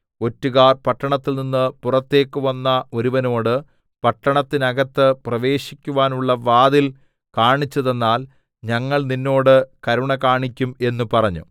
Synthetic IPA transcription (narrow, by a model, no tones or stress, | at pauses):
o̞tːuɣaːrpɐʈːɐɳɐt̪ːilninːɨpurɐt̪ːe̞ːkːɨʋɐnːɐo̞ɾuʋɐno̞ːɽɨ | pɐʈːɐɳɐt̪ːinɐɣɐt̪ːɨprɐʋe̞ːɕikʲːuʋaːnuɭːɐʋaːðil | kaːɳit͡ɕːɐðe̞nːaːl | ɲɐŋːɐɭninːo̞ːɽɨkɐɾuɳɐkaːɳikʲːume̞nːupɐrɐɲːṵ